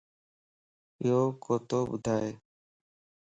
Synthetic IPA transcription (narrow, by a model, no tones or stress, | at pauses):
oːkoːt̪oːbʊ̰d̪ʱaːe